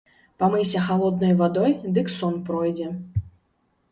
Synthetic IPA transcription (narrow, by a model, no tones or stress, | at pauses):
pamɨsʲɐxalˠɔd̪̚nɔjvad̪ɔjd̪ɨksɔnpɾɔjd͡zʲɛ